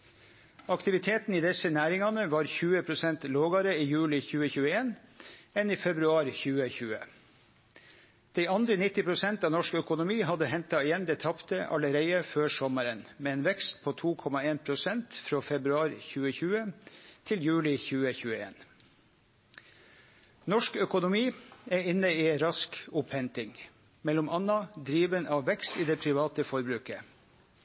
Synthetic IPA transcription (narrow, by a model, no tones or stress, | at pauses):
ɑkt̪ɪʋɪt̪ʰeːt̪n̩iːd̪ɛsənæːɾɪŋɑnəʋɑːɾçʉːəpʰɾʊsɛnt̪loːɡɑɾəiːjʉːlɪçʉːəçʉːəeːnɛniːfɛbɾʉɑːɾçʉːəçʉːə̰ | d̪̥ɛɪɑnd̪ɾənɪt̪ːɪpʰɾʊsɛnt̪ɑːʋnɔʂkœkʊnʊmiːɦɑd̪əhɛnt̪ɑɪjɛnd̪ɛːt̪ʰɑpt̪əʔɑ̰ləɾeɪəføːʂsɔməɾənmeːeːnʋɛkst̪̚pʰoːt̪ʰuːkʰɔmɑeːnpʰɾʊsɛnt̪fɾoːfɛbɾʉɑːɾçʉːəçʉːət̪ʰɪljʉːlɪçʉːəçʉːəḛːn | nɔʂkœkʊnʊmiːɛɪnːəiːɛnɾɑskʊphɛnt̪ɪŋ | mɛlʊmʔɑnːɑd̪ɾiːʋənʔɑːʋʋɛkst̪iːd̪eːpʰɾɪʋɑːt̪əfɔɾbɾʉːkə